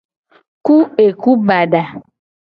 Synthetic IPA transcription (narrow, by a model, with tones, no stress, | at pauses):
ku˦e˨ku˦ba˨ɖa˨